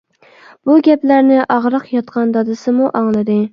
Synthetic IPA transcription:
b̥uɡʲɛplæɾnɪʔɑʁɾɨqjɑt̪̚qʰɑnd̪ɑd̪ɨsɪmuʔɑŋlˠɨd̪ɪ

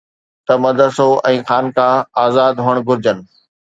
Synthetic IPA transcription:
t̪ɐmɐd̪ʱəsoʔɛ̃ːxaːnkãːaːzaːd̪ɦoːəɽ̃ɡʱʊɾɪd͡ʑən̆

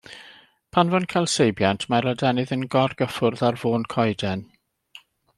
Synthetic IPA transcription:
pʰanvɔnkʰajlˠsejbjantʰmaɾadɛnɨðənɡɔrɡəfʊrðarvoːnkʰɔjdɛn

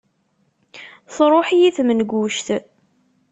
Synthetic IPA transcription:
θɾˤoħijiθmənɡʷuʃt̪

